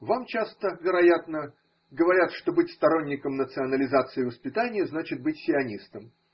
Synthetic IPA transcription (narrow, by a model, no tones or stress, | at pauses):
vamt͡ɕast̪əvʲɪɾɐjat̪nə | ɡəvɐɾʲat̪ʂt̪o̞bɨtʲst̪ɐɾo̞nʲːɪkəmnət̪sɨɐnəlʲɪzat̪sɨɪvəspʲɪt̪anʲɪjəznat͡ɕɪt̪̚bɨtʲsʲɪɐnʲist̪əm